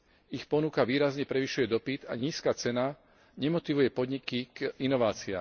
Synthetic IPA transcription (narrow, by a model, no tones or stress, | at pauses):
ixpɔnukaʋiːɾazɲɛpɾɛʋiʃujɛd̪ɔpid̪a̰ɲiːskaːt͡sɛna | ɲɛmɔt̪iʋujɛpɔd̪ɲikiinɔʋaːt͡sia̰ːm